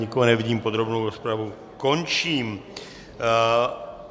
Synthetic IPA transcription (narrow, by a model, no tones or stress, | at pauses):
ikɔɦɔnɛʋiɟiːmpod̪ɾobnowɾɔspɾaʋu | koɲt͡ʃiːm